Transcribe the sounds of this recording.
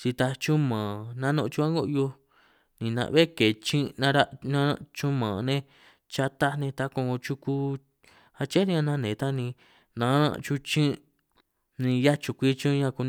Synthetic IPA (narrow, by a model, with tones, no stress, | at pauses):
t͡ʃi˧t̪a˧t͡ʃu˦mã˨nã˦nõ˧t͡ʃu˦˧a˦ŋɡo˦ʔjo˧ | nĩ˨nã̰˧βe˦ke˨t͡ʃĩ˦nã˧ɾa˦ʔnã˦˧t͡ʃu˦mã˨nẽ˦ | t͡ʃa˧t̪a˦nẽ˧t̪a˧kõ˧ŋɡo˧t͡ʃu˧ku˧ | ha˧t͡ʃe˦ni˦ã˧nã˦nẽ˨t̪a˦nĩ˧ | nã˨˧˦nã̰˧ʔt͡ʃu˧t͡ʃĩ˦ | nĩ˧ja˦t͡ʃu˧kʷi˦˧t͡ʃĩ˦˧ɲã˧ku˧n